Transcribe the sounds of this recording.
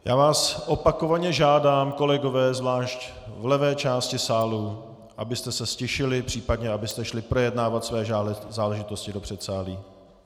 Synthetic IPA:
ja̰ːvaːsʔopako̞vaɲɛʒaːdaːmko̞lɛɡo̞vɛːzvlaːʃc | vlɛvɛːt͡ʃaːscɪsaːlu | ʔabɪst̪ɛsɛscɛʃɪlɪpr̝̥iːpadɲɛabɪst̪ɛʃlɪpɾojɛdnaːvat̪svɛːzaːlɛʒɪt̪o̞scɪdo̞pr̥ɛt̪saːliː

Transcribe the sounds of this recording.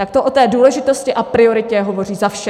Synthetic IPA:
t̪ak̚t̪oʔo̞t̪ɛːduːlɛʒɪt̪o̞scɪʔapɾɪo̞ɾɪcɛɦo̞vo̞riːzafʃɛ

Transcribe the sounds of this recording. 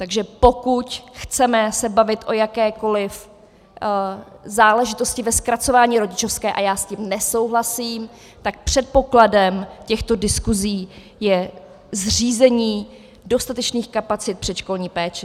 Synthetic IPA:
t̪aɡʒɛpo̞kucxt͡sɛmɛsɛbavɪt̪ʔo̞jakɛːko̞lɪf | zaːlɛʒɪt̪o̞scɪvɛskɾat͡so̞vaːɲiːɾo̞ɟɪt͡ʃo̞fskɛːʔajaːscimnɛso̞wɦlasiːm | t̪ak̚pr̝̥ɛt̪̚po̞kladɛmcɛxt̪o̞dɪskuziː | jɛ | zr̝iːzɛɲiː | do̞st̪at̪ɛt͡ʃniːxkapat͡sɪt̪̚pr̝̥ɛʃko̞lɲiːpɛːt͡ʃɛ

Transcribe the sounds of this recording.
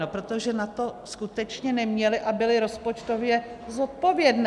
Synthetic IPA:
opɾot̪oʒɛnat̪o̞skut̪ɛt͡ʃɲɛnɛmɲɛlɪʔabɪlɪɾo̞spo̞t͡ʃt̪o̞vjɛ | zot̪̚po̞vjɛdn

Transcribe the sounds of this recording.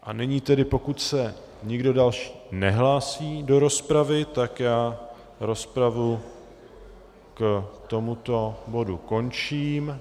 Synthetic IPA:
ʔanɛɲiːt̪ɛdɪpo̞kut̪sɛ | ɲɪɡdo̞dalʃi̥ːnɛɦlaːsiːdo̞ɾo̞spɾavɪt̪akjaː | ɾo̞spɾavu | kt̪o̞mut̪o̞bo̞duko̞nt͡ʃiːm

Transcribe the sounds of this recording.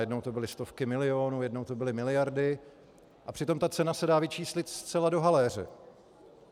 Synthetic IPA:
jɛdnowt̪o̞bɪlɪst̪o̞fkɪmɪlɪo̞ːnuːjɛdno̞wt̪o̞bɪlɪmɪlɪjaɾdɪ | ʔapr̝̥ɪt̪o̞mt̪at͡sɛnasɛdaːvɪt͡ʃiːslɪt̪st͡sɛlado̞ɦalɛr̝ɛ̰

